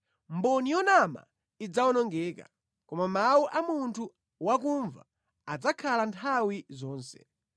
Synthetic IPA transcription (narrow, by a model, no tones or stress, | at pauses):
mbɔnijɔnama̰ | id͡zawɔnɔŋɡɛːka̰ | kɔmamawuʔamuntʰu | wakuɱva̰ | ad͡zakʰalantʰawizɔːnsɛ̥̰